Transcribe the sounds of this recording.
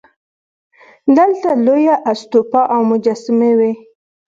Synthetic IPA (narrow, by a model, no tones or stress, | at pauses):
d̪əlt̪alojaʔast̪opɑʔawmʊd͡ʒasɪmewe